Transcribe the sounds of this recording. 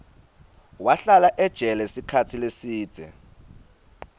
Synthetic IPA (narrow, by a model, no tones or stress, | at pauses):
waɬalaʔɛd̥ʒ̥ʱɛlɛsikʰatʰilesiːd̥z̥ʱɛ̰